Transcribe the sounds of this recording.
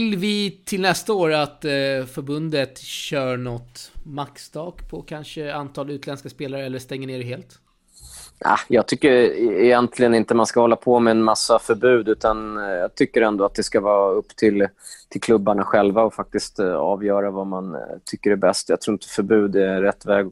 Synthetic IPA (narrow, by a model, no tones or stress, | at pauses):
lvɪt̪ʰɪlnɛst̪aoːɾat̪fœɾbɵnd̪ət̪ɕœːɳɔt̪ːmakst̪ʰɑːkpʰɔkʰanʂəant̪ʰɑːlʉ̟ːt̪lɛnskaspeːlaɾəɛlːəʂt̪ɛŋːəɳeːɾɦeːlt̪ | ʔa̰jɑːɡ̚t̪ʰʏkːəɾɛjɛnt̪ʰlɪɡənɪnt̪əmanskahɔlːapʰɔmɛɛnmasːafœɾbʉ̟ːd̪ʉ̟ːt̪anjɑːɡ̚t̪ʰʏkːəɾɛnd̪oɔat̪̚d̪ɛskavɑːɵpːt̪ʰɪl | t̪ʰɪlkʰlɵbːaɳaɧɛlvaɔfak̚t̪ɪst̪ɑ̰ːvjœːɾavamant̪ʰʏkːəɾɛbɛst̪jaɡ̚t̪ʰɾuːɾɪt̪ə̥fœɾbʉ̟ːd̪ɛɾɛt̪ːvɛːɡ